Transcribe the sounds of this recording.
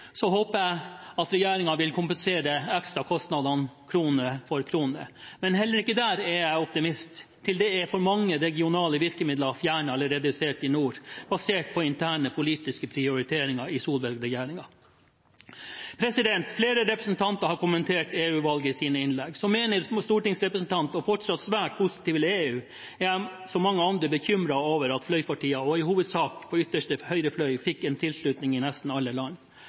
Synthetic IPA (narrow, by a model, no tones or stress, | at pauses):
sɔhoːpəæɪɑt̪ɾɛjeːɾɪŋɑʋɪlkʰʊmpənseːɾəɛkst̪ɾɑkʰɔst̪nɑd̪ɑnkʰɾuːnəfɔɾkʰɾuːnə̰mɛnhɛlːəɾɪkːəd̪æːɾɛɾjæɪɔp̚t̪ɪmɪst̪ʰː | ɪld̪ɛɛfɔɾmɑŋːəɾɛɡɪʊnɑːləʋɪɾkəmɪd̪ləɑfjæːɳəɑləɾeːd̪əseːʈɪnuːɾb̥ɑseːʈ̚pʰɔɪnt̪ʰæːɳəpʰʊliːt̪ɪskəpʰɾɪʊɾɪt̪ʰeːɾɪŋɑɪsuːlbɛɾɡɾɛjeːɾɪŋɑ | pʰɾɛsɪd̪ɛnt̪fleːɾəɾɛpɾəsn̩t̪ʰɑnt̪əɾhɑɾkʊmənt̪ʰeːʈeːʉːʋɑlɡəɪsiːnəɪnlɛɡsɔmːeːnəɾst̪uːʈɪŋsɾɛpɾəsn̩t̪ʰɑnt̪ɔfɔʈsɑt̪sʋæːʈ̚pʰʊsɪ̥t̪iːʋəleːʉː | æ | sɔmɑŋːəɑnd̪ɾəbəçʏmɾɑoːʋəɾɑt̪flœʏpɑʈiːəɔɪhuːʋəd̪sɑːkpʰɔʏt̪ːəʂʈəhœʏɾəflœʏfɪkːɛnt̪ʰɪlsɭʉːt̪nɪŋɪnɛst̪n̩ɑlːəlɑn